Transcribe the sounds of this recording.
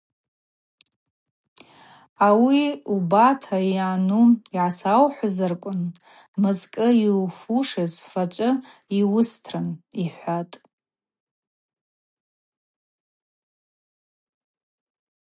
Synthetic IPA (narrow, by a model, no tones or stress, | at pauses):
awiubatʰajanuiʕasawħʷazarkʷʼʊn | mɨzkʼɨilfuʂazfat͡ʃʷʼɨiwʊstʰrɨniħʷatʼ